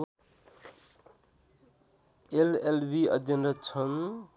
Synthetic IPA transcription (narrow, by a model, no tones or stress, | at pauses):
elelbiʌ̰d̪ʱjʌnɾʌt͡sʰʌn